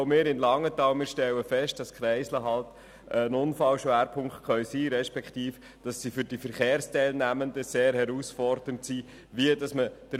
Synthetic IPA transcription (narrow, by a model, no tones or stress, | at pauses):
mɪːɾɪnlɑŋːətɑːwmɪːɾʃtɛwəfɛʃt̚d̥ɑskχɾɛɪsləɦɑlt | əənʊnfɑlʃʋæːɾpʰʊŋkχtχœʏsiːɾɛʃpɛkχtiːf | d̥ɑsːifʏɾd̥ifəɾχeːɾstɛɪlnæməndəseːɾhɛɾusfɔɾd̥əntsiː | ʋiədɑsməd̥əɾ